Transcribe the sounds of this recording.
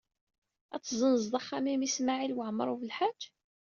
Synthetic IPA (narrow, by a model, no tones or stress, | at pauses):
æt͡sːzˤənzd̪ˤɑχːamimismaʕilwəʕm̰ɾˤuvəlħad͡ʒː